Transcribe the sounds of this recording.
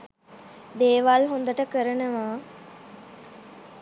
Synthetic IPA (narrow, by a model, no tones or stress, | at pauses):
d̪eːʋalɦond̪əʈəkəɾənəʋaː